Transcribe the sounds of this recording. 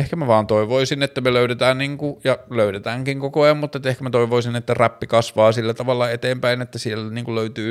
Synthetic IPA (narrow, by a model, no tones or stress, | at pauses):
ehkæmæʋɑːnt̪oiʋoisinet̪ːæmeløyɾet̪æːnniːŋkujɑløyɾet̪æːŋkiŋkokoɑjɑmmut̪ːet̪ːehkæmæt̪oiʋoisinet̪ːæræpːikɑsʋɑːsilːæt̪ɑʋɑlːɑet̪eːmpæinet̪ːæsielːniːŋkuløyt̪yː